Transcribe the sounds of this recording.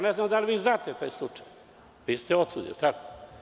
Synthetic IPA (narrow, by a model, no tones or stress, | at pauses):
aneznamd̪aliʋiːznaːt̪et̪aːjslˠut͡ʂḁj | ʋiːst̪eot̪ṵd̪ḭlt̪ako